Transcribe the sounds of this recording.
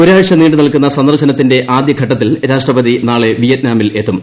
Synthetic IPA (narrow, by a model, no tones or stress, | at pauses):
oɾaːɻʂɐniːɳɖɨnɐɭkunːɐsɐnd̪ɐrɕɐnɐt̪ːinde̞ʔaːd̪jɐɡʱɐʈːɐt̪ːilɾaːʂʈrɐbɐðinaːɭeʋijɐt̪̚naːmile̞t̪ːum